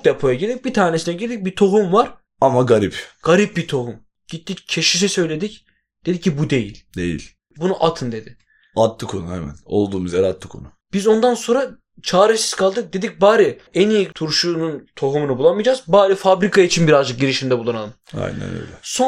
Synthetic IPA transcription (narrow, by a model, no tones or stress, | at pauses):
d̪epʰo̞jaɟilʲibit̪ʰaːnesinɛɟilʲd̪ic̚bit̪ʰo̞ɦumvaɾ̥ | amaɡaɾipɡ̥aɾip̚bit̪ʰo̞ɦum | ɟit̪ʰːict͡ʃʰe̞ʃisɛsø̞jlʲe̞d̪ic | d̪̥e̞d̪icʰːibud̪e̞jilʲd̪e̞̰jḭlʲ | bunuʔat̪ʰɯnd̪e̞d̪ɪ | at̪lɯkʰonuhɛmæ̰no̞̰lˠd̪uːmuzaɾat̪lːˠɯkʰonu | b̥izo̞nd̪anso̞nɾa | t͡ʃʰaːɾesi̥z̥kʰalˠd̪ɯk̚d̪e̞d̪ic̚baːɾɯenijit̪ʰuɾʃuːnunt̪ʰo̞ɦumunubulˠamɯjd͡ʒaːzbaːɾɯfabɾikʰait͡ʃʰinbiɾazd͡ʒɯk̚ɟiɾiʃimnd̪ɛbulˠanalˠɯma̰jnnæ̰nø̰jlʲɛso